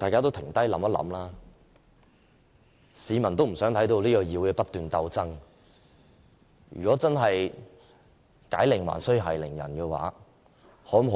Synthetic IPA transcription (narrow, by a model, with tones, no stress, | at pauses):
t̪aː˨jkaː˥t̪o˥wt̪ʰɪ˨˩ŋt̪ɐ˥jlɐ̰˨˥mɐ˥t̚lɐ̰˨˥mlaː˥ | siː˨˧mɐ˨nt̪o˥wm̩˨˩sœː˨˥ŋt̪ʰɐ˨˥jt̪o˧wliː˥kɔː˧jiː˨˧wkɛː˧pɐ˥t̪̚yː˨nt̪ɐ˧wt͡sɐ˥ŋ | jy̰˨kʷɔː˨˥t͡sɐ˥nɦɐ˨j | kaː˨˥jlɪ˨˩ŋwa̰ː˨˩nsɵ˥ɥɦɐ˨˩jlɪ˨˩ŋjɐ̰˨˩nkɛː˧wa̰ː˨˥ | hɔː˨˥m˨ɦ